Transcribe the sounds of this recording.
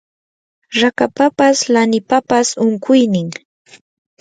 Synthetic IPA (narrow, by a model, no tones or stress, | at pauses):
ɾakapapaslanɪpapasʊŋkʊjnɪŋ